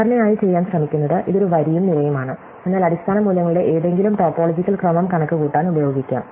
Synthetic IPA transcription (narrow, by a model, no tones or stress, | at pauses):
ɐɾɐnɐjaːjit͡ɕe̞jːaːnɕrɐmikʲːunːɐðɨʔiðo̞ɾuʋɐɾijumnilɐjɐmaːɳɨ | e̞nːaːlɐɽist̪ʰaːnɐmuːlːɐŋːɐɭuɽe̞ʔeːðe̞ŋɡilumʈo̞ːpːo̞ːlɐd͡ʑikʲːɐlkrɐmɐmkɐɳɐkːɨkuːʈːaːnubɐjo̞ːɡikʲːa̰